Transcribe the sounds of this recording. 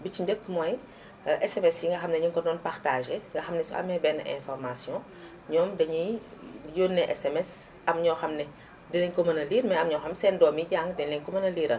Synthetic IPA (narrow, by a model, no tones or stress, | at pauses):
biciɲɟəkːmɔːj | ʔɛsɛmɛsjiŋɡɐxɐmnɛɲɔːŋkɔdɔːnpartaːʒeŋɡɐxɐmnɛsuʔɐ̰mːɛbɛnʔɛ̰̃fɔrmasjɔ̃ | ɲɔːmdɐɲi | joːnːɛʔɛsɛmɛs | ɐmɲɔːxɐmnɛ | dɛlɛɲkɔmɐnɐliːɾmɐjɐmɲɔːwxɐmsɛːndɔːmiɟaːŋɡdɛlɛŋkɔmɐnɐliːɾɐ̰n